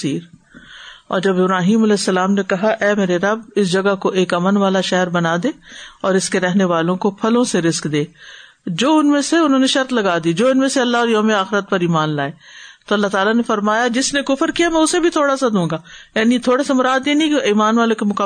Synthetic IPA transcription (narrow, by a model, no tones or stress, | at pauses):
iːɾ | ɔ̰ːɾd͡ʒɐbɪbɾaːɦiːmɐlɛːsːɐlaːmnekɐɦaʔɛːmeːɾeɾɐbɪsd͡ʒɐɡakoʔeːkɐmənʋaːlaʃɛɦəɾbɐnaːd̪eːɔːɾɪskeɾɛɦneʋaːlõkopʰɐlõseɾɪskd̪eː | d͡ʒoːʊnmẽseʊnɦõːneʃɐɾt̪lɐɡaːd̪id͡ʒoːɪnmẽseɐlːaɔːɾjoːmeaːxɪɾət̪̚pɐɾiːmaːnlaːet̪oɐlːaɦt̪aːlanefɐɾmaːjad͡ʒɪsnekʊfəɾkijamɛ̃ːʊsebʱit̪ʰoːɽasad̪ũːɡaːjaːnit̪ʰoːɽesemʊɾaːd̪jenĩkeiːmaːnʋaːlõkemʊkaː